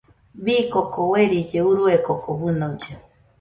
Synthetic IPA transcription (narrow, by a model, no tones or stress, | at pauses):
bikokoweɾit͡ʃeuɾuekokobɨnõd͡ʒe